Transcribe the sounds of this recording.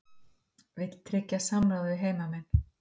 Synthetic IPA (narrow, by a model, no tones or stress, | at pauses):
vɪt̪t̪ʰɾɛcːasamɾawðɪɦeːjmamɛnː